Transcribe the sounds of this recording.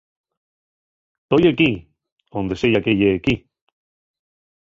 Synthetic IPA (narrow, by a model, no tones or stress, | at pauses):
t̪ojeki | ond̪esejakejeːki